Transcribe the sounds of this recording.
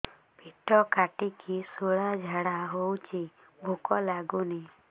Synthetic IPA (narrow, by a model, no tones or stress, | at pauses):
piʈɔkaʈikʰisoɭad͡ʒʱaɽaɦowt͡ʃʰi | bʱukɔlaɡuni